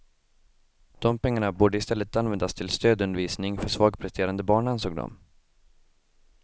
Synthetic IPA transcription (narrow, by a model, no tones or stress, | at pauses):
d̪̥ɔmpɛŋːaɳabuːɖəɪst̪ɛlːət̪anvɛnd̪ast̪ʰɪlst̪øːd̪ɵnd̪əɾviːsnɪŋfœʂvɑːɡpʰɾɛst̪ʰeːɾand̪əbɑːɳansoːɡ̚d̪ɔ̰m